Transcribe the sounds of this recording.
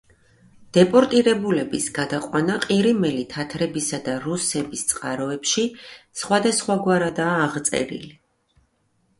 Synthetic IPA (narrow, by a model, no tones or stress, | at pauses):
d̪̥ɛpʼɔɾt̪ʼiɾɛbulɛbisɡ̥ad̪aqʼwanaqʼiɾimɛlit̪ʰat̪ʰɾɛbisad̪aɾusɛbist̪sʼqʼaɾɔɛpʃisχwad̪asχwaɡwaɾad̪aːʁt̪sʼɛ̰ɾḭli